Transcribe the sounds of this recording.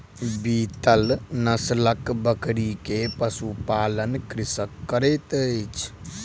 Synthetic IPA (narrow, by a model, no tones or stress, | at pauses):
bit̪əlnəsləkbəkɾikepəsupalənkɾisəkːəɾɛt̪ət͡ʃʰ